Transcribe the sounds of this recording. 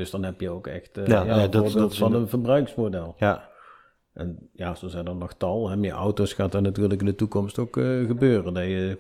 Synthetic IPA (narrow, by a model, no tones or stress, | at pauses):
d̥ɵsdɑnɦɛpjəowkɛ̰xtjaoːɹbɪlˠtfɑnənvərbrœɥksmodɛlˠj | ʔɛnjaːsozɛjndɑnːɔxtɑlˠɦɛmjəʔɔ̰wtosxaːtanatyːrləkɪndətukɔmstowkːɣəbøːrəndajə